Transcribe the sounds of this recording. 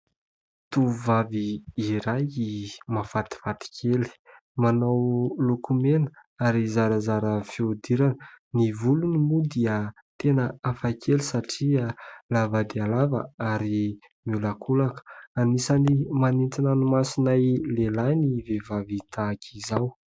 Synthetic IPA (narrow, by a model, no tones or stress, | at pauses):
t̪uvaviiɾajimafat̪i̥fat̪i̥kʲʰeli̥ | manawlukumenəaɾizaɾəzaɾəfiud̪iɾanənivulunimud̪iə | t̪enəafakʰelisaʈ͡ʂialavad̪ealava̰aɾi | mulakʰulakə̥anisanimaninʈ͡ʂinanumasinajlelajnivevavit̪ʰaːkʰizaw